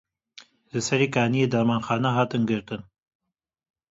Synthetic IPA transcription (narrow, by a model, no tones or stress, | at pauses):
lɨsɛɾiːkaːnijeːd̪aːmaːnxɑːnaɦɑːt̪ɨnɡɨɾt̪ɨn